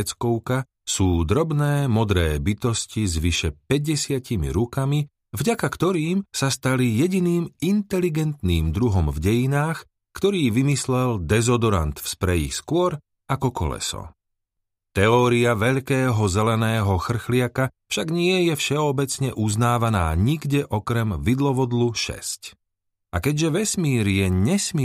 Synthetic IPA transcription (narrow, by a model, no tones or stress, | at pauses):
t͡skɔʊka | suːd̪ɾɔbnɛːmɔd̪ɾɛ̰ːbit̪ɔscizʋiʃɛpɛɟɛsɪacimḭɾukami | vɟakakt̪ɔɾiːmsast̪alijɛɟiniːmint̪ɛliɡɛnt̪niːmd̪ɾuɦɔmvɟɛjinaːx | kt̪ɔɾiːʋimislɛld̪ɛzɔd̪ɔɾa̰nt̪fspɾɛjḭxskʊɔɾ | akɔkʰɔ̰lɛ̰sɔ̰ | t̪ɛɔːɾiaʋɛʎkɛːɦɔzɛlɛnɛːɦɔxr̩xlɪakafʃaɡɲɪɛjɛfʃɛɔbɛt͡sɲɛʔuznaːʋana̰ːɲiɡɟɛʔɔkɾɛmʋid̪lɔʋɔd̪luʃɛ̰sc | akɛɟʒɛʋɛsmiːɾijɛɲɛsm